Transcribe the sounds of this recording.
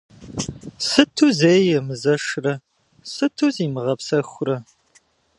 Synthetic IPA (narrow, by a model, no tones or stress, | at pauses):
sɨtʰuzeːjɛmɨzɐʂrɐ | sɨtʰuziːmɨʁɐpsɐxʷʊrɐ